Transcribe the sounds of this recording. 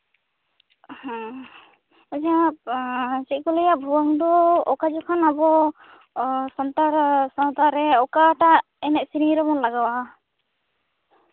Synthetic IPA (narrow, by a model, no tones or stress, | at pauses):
hɔ̃ | ad͡ʒa | sikɔlɔjaʔbʱuwaŋd̪ɔɔkad͡ʒɔkʰanabɔ | sɔnt̪aɾsant̪aɾɛɔkaʈa | ɛnɛʔ̚siniɾɔmɔnlaɡawa